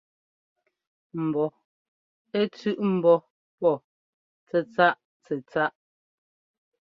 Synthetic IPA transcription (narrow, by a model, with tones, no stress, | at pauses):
m̩˨bɔ˨ | e˦t͡sʉ˦˨ʔm̩˨bɔ˦ | pɔ˦˨ | t͡sɛ˨t͡sa˦ʔ | t͡sɛ˨t͡sa˦ʔ